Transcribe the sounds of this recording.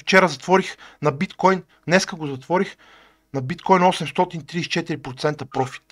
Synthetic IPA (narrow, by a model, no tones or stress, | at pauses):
ft͡ʃɛɾəzɐt̪vɔɾixnɐbit̪kɔjn | d̪nɛskəɡozɐt̪vɔɾix | nɐbit̪kɔjnɔsɛmst̪ɔt̪int̪ɾiːst͡ʃɛt̪iɾipɾot̪sɛnt̪əpɾɔfi̥t̪